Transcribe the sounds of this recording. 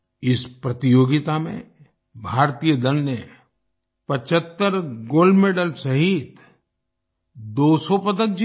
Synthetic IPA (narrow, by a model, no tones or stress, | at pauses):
ɪspɾɐt̪ɪjoːɡɪt̪amḛ̃ | bʱaːɾt̪ijəd̪əlne | pɐt͡ʃət̪ːəɾɡoːlɖmeːɖəlsɐɦit̪ | d̪oːsɔpɐd̪ək̚d͡ʒ